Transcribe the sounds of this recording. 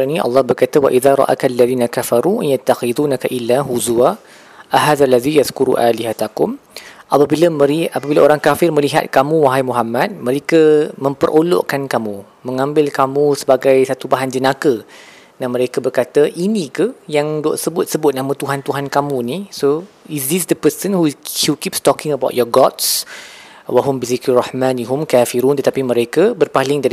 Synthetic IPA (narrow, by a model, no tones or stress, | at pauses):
nĩʔɑ̰lːɑhbərkat̪əwa̰ʔiðaɾˤɑ̰ʔa̰kaalːaðiːnakafɑɾujat̪ːaxiduːnakaʔilːaɦuzua | ʔaɦaːðalːaðijasðkuɾṵʔaliɦat̪akʊm | ʔapabiləəɾiapabilaoɾaŋkafɪrmə̃liɦa̰t̪̚kamũwaɦajmuɦamːat̪̚mə̃ɾekəmə̃mpərʔolo̰ʔkankamũ | mə̃ŋãmbɪlkamũsəbaɡajsat̪ubaɦand͡ʒənakə | namə̃ɾekabərkat̪əʔinĩkəjaŋdɔ̰ʔsəbʊt̪̚səbʊt̪̚namət̪uɦant̪uɦankamũnisoisdisd̪əpəsənhuhukipst̪ɔkɪ̃ŋəbawt̪̚jɔɡɔt̪s | waɦʊmbizikrahmãniɦumkafiɾunt̪ət̪apimə̃ɾekəbərpalɪŋdaɾi